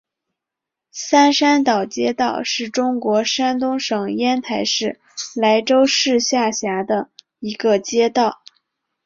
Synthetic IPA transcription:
sa˥nʂa˥nt̪ɑ˨˩ʊt͡ɕjɛ˥t̪ɑ˥˧ʊʂɻ̩˥˩ʈ͡ʂʊ˥ŋkwɔ˧˥ʂa˥nt̪ʊ˥ŋʂɤ˨˩ŋjɛ˥nt̪ʰa˧˥ɪʂɻ̩˥˩ | la˧˥ɪʈ͡ʂo˥ʊʂɻ̩˥˧ɕja˥˩ɕja˧˥d̪ə˧ | i˧˥ɡə˧t͡ɕjɛ˥t̪ɑ˥˩ʊ

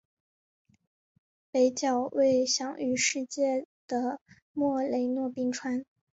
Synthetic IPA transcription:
pe˧˥ɪt͡ɕjɑ˨˩ʊwʔe˥˩ɪɕjɑ˧˥ŋy˧˥ʂɻ̩˥˧t͡ɕjɛ˥˩d̪̥ə˩ | mwɔ˥˩le˧˥ɪnwɔ˥˧pi˥ŋʈ͡ʂʰwa˥n

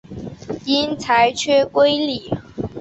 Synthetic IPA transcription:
i˥nt͡sʰa˧˥ɪt͡ɕʰɥɛ˥kwe˥ɪli˨˩˦

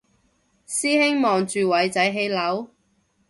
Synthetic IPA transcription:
siː˥hɪ˥ŋmɔː˨ŋt͡ʃyː˨wɐ˨˥jt͡sɐ˨˥jɦe˨˧jlɐ˨˥w

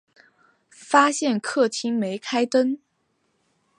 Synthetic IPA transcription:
fa˥ɕjɛ˥˧nkʰɤ˥˩t̪ʰi˥ŋme˧˥ɪkʰa˥ɪt̪ə˥n

